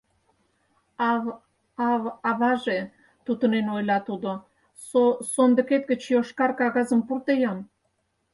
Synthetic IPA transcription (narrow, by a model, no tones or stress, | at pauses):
ɑ | ɑβɑβɑʒe | t̪ut̪ənenojlɑt̪ud̪o | sosond̪ə̆ket̪̚ɡət͡ɕjoʃkɑrkɑɣɑzəmpurt̪ejɑm